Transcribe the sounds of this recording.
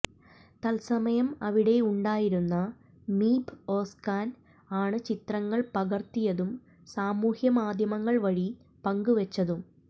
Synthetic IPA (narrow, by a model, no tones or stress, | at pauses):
t̪ɐlsɐmɐjɐmɐʋiɽe̞uɳɖaːjiɾunːɐ | miːbo̞ːskaːn | aːɳɨt͡ɕit̪rɐŋːɐɭpɐɣɐrt̪ːijɐðum | saːmuːhjɐmaːd̪ʱjɐmɐŋːɐɭʋɐɻi | pɐŋɡuʋɐt͡ɕːɐðum